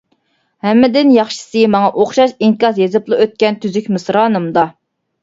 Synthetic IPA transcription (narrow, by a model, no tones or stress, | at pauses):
hɛmːɪd̪ɪnjɑχʃi̥sɨmɑŋɑʔoχʃɑʃiŋkɑsjezɨplˠɨøt̪̚kʲɛnt̪ʰyzykʲmɨsɾɑːnɨmd̪ɑ